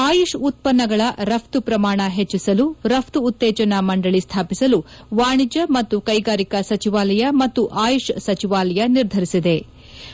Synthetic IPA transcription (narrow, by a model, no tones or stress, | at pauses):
aːjuʂut̪̚pɐnːɐɡɐɭɐɾɐp̚ʰt̪upɾɐmaːɳɐɦet͡ʃːisɐluɾɐp̚ʰt̪uːt̪ːɛːt͡ʃɐnɐmɐɳɖɐɭist̪ʰaːpisɐlu | ʋaːɳid͡ʒɐmɐt̪ːukɐjɡaːɾikɐsɐt͡ʃiʋaːlɐjɐmɐt̪ːuʔaːjuʂsɐt͡ʃiʋaːlɐjɐniɾd̪ʱɐɾisid̪e̞